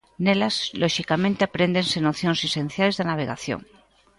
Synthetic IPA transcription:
nelazlʔoʃikamẽnt̪eapɾend̪ensenoθjonsesẽn̟θjalezðanaβ̞eɣa̰θjo̰ŋ

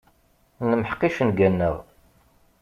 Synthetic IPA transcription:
nəməħəqiʃənɡænːəʁ

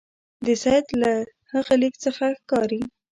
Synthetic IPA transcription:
d̪əsajd̪la | haɣəlikt͡səxaxkɑɾi

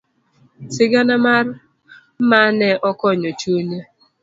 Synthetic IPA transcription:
tɪɡanamaɾ | manɛʔɔkɔɲot͡ʃone

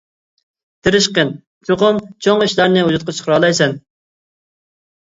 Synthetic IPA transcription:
t̪ʰɪɾɪʃqən | t͡ʃʰoqʊmt͡ʃʰoŋiʃlæɾnɪɦud͡ʒut̪̚qʰɑt͡ʃʰə̥χʰəɾɑlˠɑjsɛn

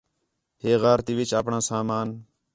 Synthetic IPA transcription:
ɦeːɣaːɾt̪iːʋɪt͡ʃaːpɳãːsaːmaːn

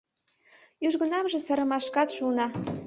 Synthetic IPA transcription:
yʒɣə̆nɑmʒĕsə̆ɾə̆mɑʃkɑt̪ʃunɑ

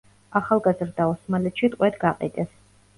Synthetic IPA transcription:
aχalˠɡazɾd̪aɔsmalɛt̪ʃit̪ʼqʼwɛd̪ɡaqʼḭd̪ɛs

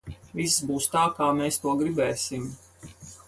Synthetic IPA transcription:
viszbuːst̪aːkaːmeːst̪uɔɡɾibɛːsim

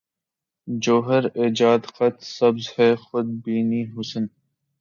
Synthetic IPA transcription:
d͡ʒoːɦəɾed͡ʒaːd̪qɐt̪sɐbzhɛːxʊd̪̚biːniːɦʊsən

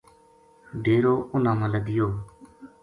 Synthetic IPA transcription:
ɖeːɾoːʊnãːmãləɡɪjoː

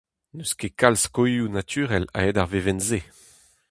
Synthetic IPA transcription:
nøskekalskojunat̪ʰyːʁɛla̰edaʁvevɛnze

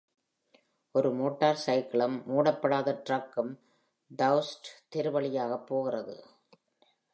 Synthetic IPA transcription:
ʔɔɾɯmoːʈːaːɾsɐɪkɪɭɐmːuːɽɐpːɐɽaːðɐʈɾɐkːɯm | d̪ɐʊsʈt̪ɪɾɯʋɐɭɪjaːɣɐpːoːɣɪrɐðɯ̰

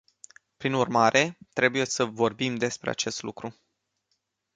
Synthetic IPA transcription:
pɾinurmaɾʔe̞t̪ɾe̞buje̞səvo̞rbimd̪e̞spɾe̞̰a̰t͡ʃe̞st̪lukɾu

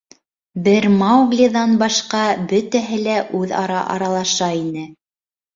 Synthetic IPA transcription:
bɘɾmɑwɡlʲiðɑnbɑʃqɑbɵt̪æɦɘlæʔʉðɑ̰ɾɑ̰ʔɑ̰ɾɑlˠɑʃɑinɘ

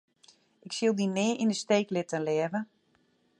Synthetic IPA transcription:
ɪksilˠdinɪːʔindəsteːklɪtənlɛəvə

